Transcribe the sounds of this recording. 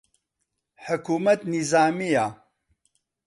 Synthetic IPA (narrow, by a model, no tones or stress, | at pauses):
ħʊkuːmɐt̪nizaːmija